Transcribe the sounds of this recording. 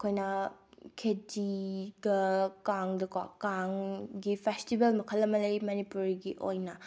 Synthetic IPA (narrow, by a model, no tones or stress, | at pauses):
kʰojnɐkʰediɡɐkaŋdɐka̰kaŋɡipʰestibelmɐkʰɐlːɐmɐlɐjmɐnipuɾiɡiʔojnɐ